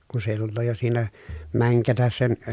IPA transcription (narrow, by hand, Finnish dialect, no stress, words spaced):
kun se jo tulːoː jo siːnæ mæŋkætæs sen